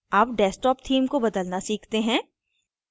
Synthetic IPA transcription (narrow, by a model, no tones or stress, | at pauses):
aːp̚ɖɛːsʈɔːpt̪ʰiːmkobɐd̪əlnasiːkʰt̪eɦɛ̃ː